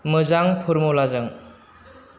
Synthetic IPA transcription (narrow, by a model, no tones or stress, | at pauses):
mɯzaŋpʰɯɾmolazɯŋ